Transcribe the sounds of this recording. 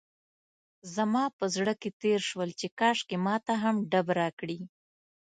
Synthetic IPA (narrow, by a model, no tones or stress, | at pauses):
zamɑpəzɽəket̪eɾʃwəlt͡ʃekɑʂkemɑt̪aɦamɖabɾɑkɽi